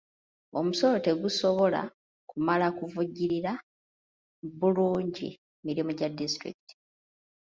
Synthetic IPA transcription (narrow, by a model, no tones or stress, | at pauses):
omuso̞lote̞ɡuso̞βo̞la̰ | kumalakuvuɟːiɾiɾa | βuluːɲɟḭ | miɾimuɟadistɾḭki̥ti̥